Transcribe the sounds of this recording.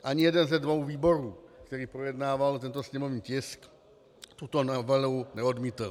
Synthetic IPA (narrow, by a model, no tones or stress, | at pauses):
ʔaɲɪjɛdɛnzɛdvo̞wviːbo̞ɾuːkt̪ɛɾiːpɾojɛdnaːvalt̪ɛnt̪osɲɛmo̞vɲiːcɪsk | t̪ut̪onavɛlwnɛo̞dmiːt̪l